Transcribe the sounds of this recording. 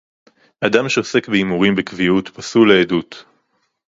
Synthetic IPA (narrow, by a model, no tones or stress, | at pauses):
adamʃeose̞kbeimuʁimbekvijutpasuleːdut